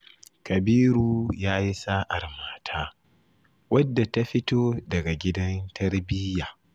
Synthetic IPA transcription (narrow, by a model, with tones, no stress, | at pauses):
kɐ˨biː˦ɾuː˦jaː˦ji˦saː˦ʔa˨rmaː˦tʰaː˦ | wɐ˦dːa˨ta˦ɸɪ˦toː˦dɐ˨ɡa˨ɡʲɪ˦dɐ˦ntʰɐ˦rbɪ˦jaː˨